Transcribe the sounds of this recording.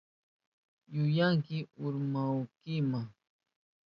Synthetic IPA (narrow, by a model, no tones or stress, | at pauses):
jʊjaŋkɪʊɾmawkɪmaŋ